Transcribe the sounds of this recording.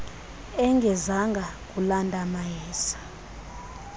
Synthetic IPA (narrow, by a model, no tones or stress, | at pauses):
ɛŋɡʱɛzaŋɡʱak̬ʼulandʱʼamajɛːsḁ